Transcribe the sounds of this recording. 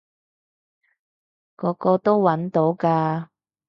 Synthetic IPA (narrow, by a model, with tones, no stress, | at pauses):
kɔː˨˥kɔː˧t̪o˥wwɐ˨˥nt̪o˨˥wkaː˧